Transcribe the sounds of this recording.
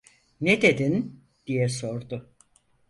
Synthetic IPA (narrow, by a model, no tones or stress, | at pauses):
nɛd̪e̞d̪in | d̪̥ijɛso̞ɾd̪ʊ